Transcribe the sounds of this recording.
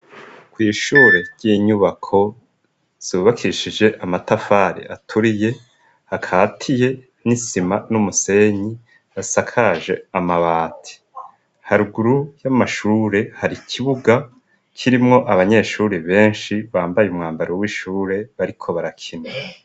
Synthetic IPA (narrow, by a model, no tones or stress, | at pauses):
kwiːʃuːɾe̞ɾɟ̥iːɲuβakʰo̞ | z̥uβakʰiʃid͡ʒe̞ʔamatafaːɾḛʔatʰuɾije̞ | hakʰaːtʰije̞ | nisimanumuse̞ɲi | asakʰaʒe̞̰amaβaːtʰi̥ | haɾuɡuɾujamaʃuːɾe̞haɾikʰiβuɡa | kʰiɾimŋo̞ʔaβaɲe̞ʃuːɾeβe̞ːnʃiβaːmbajeumŋaːmbaɾewiʃuːɾe̞βaɾikʰo̞βaɾakʰine